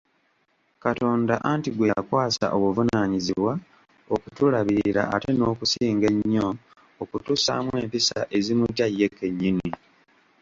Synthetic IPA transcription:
kato̞ːndaʔantiɡwekwaːsa̰ʔo̞βuvunaɲiziβwa | okutulaβiɾa̰ate̞no̞ːkusiːŋɡe̞ɲːo̞ | okutusa̰ːmwe̞ːmpisaʔe̞zimuɟajːe̞kːe̞ɲːini

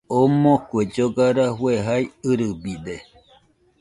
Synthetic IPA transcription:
omõkʷed͡ʒoɡaɾahweɦajɨɾɨbid̪e

